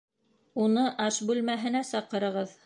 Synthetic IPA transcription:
unɤʔɑʃbʉlmæɦɘ̆næsɑqɤ̆ɾɤ̆ʁɤð

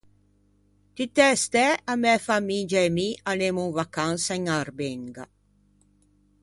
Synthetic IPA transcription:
t̪it̪ɛst̪ɛamɛfamid͡ʒaɛmianemuŋvakansaiŋaɾbeŋɡa̰

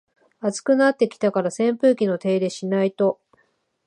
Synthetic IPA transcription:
at͡sɨ̥kɯ̟nat̪ːe̞kʲi̥t̪akaɾasẽ̞mpɯ̟ːkʲino̞t̪e̞ːd̪e̞ɕinait̪o̞

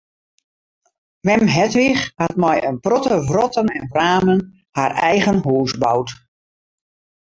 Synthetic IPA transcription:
ʋɛmɦɛtʋixhat̚mɔjə̰nprɔtəvrɔtənɛnvraːmən | harɛjɣənɦuːsbawt

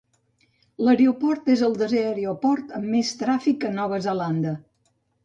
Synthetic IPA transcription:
ləɾeupɔɾt̪ezəlˠd̪əzeəɾeopɔɾt̪əmːest̪ɾafikənɔβ̞əzəland̪ə

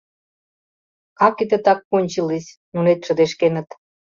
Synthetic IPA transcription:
ɑkid̪ĕt̪ɑk̚ːonʲt͡ɕilisʲ | nunet̪ʃə̆d̪eʃkenə̆t̪

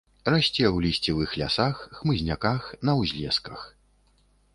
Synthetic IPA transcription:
rasʲt͡sʲɛwlʲisʲt͡sʲɛvɨxlʲa̰saxːmɨzʲnʲakaxnɐwzʲlʲɛskɐx

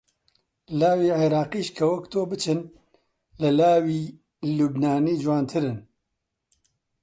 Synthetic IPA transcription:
laːwiːʕeɾaːqiːʃkʰɐwɐkt̪ʰoːbɨt͡ʃʰɨn | lɐlaːwiː | lubnaːniːd͡ʒuwaːnt̪ʰɨɾɨn

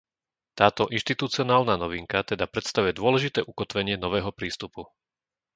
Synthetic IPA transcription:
t̪aːt̪ɔʔinʃt̪it̪ut͡siɔnaːlnaːnɔʋiŋkat̪ɛd̪apɾɛt̪st̪aʋujɛd̪ʊɔlɛʒit̪ɛːʔukɔt̪ʋɛɲɪɛnɔʋɛːɦɔpɾiːst̪upu

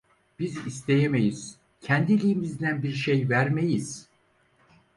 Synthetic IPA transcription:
b̥izis̬t̪ʰe̞jeme̞jiz̥ | cʰænd̪ilʲijimizd̪ænbiɾʃejvæɾmejiz̥

